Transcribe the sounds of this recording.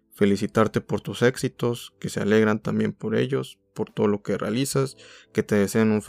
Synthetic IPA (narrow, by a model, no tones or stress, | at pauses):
fe̞lisit̪aɾt̪e̞po̞ɾt̪use̞ksit̪o̞ske̞seale̞ɣɾant̪ambje̞̰mpo̞ɾe̞̰ʝo̞spo̞ɾt̪oðolokerealisaske̞t̪e̞ðese̞anuɱf